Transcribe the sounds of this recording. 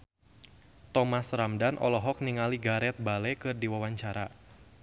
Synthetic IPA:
t̪ɔmasramdanʔɔ̰lɔɦɔk̚niŋaliɡaɾɛt̪̚balɛkɨrdiwawaɲt͡ʃaɾa

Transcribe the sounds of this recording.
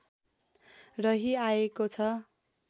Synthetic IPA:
rʌɦiaekot͡sʰʌ

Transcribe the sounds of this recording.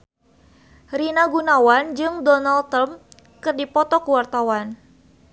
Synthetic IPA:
rinaɡunawand͡ʒɨŋdɔnalt̪əm | kɨrdipɔt̪ɔkuwart̪awan

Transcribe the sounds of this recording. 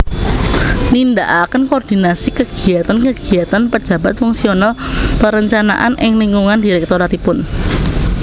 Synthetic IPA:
lindaʔakənkoːrd̥inasikəɡ̥i̤at̪ankəɡ̥i̤at̪anpə̥d͡ʒ̥ä̤bat̪̚fuŋsionalpəɾəɲt͡ʃana̰ʔa̰nʔɪŋliŋɡuŋandiɾɛk̚t̪oɾat̪ipʊn

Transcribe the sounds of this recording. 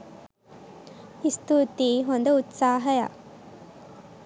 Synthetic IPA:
ist̪ut̪iːɦond̪ɐut̪saːɦɐja̰ː

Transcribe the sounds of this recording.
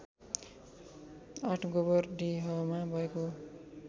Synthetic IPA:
aʈʰɡobʌrɖiɦʌmabʱʌeko

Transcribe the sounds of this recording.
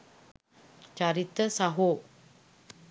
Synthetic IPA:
t͡ʃaɾit̪əsaɦoʔ

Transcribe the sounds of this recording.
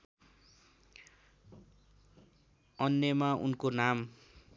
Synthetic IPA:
ʌnjʌmaʔṵnkonam

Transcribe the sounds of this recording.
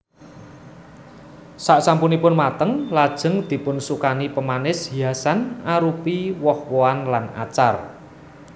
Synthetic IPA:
saʔsampunipʊnmat̪əŋlad̥ʒ̥ə̤ŋd̪̥i̤pʊnsukanipəmanɪshiasanaɾupiwɔhwoanlana̰t͡ʃar

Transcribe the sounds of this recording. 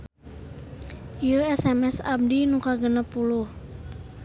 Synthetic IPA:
ioɛsɛmɛsa̰b̚dinukaɡənəpuluh

